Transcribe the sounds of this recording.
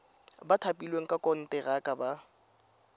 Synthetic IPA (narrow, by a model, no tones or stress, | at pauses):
batʰapʼilweŋ̩kʼakʼɔn̩tʼɛɣakʼaba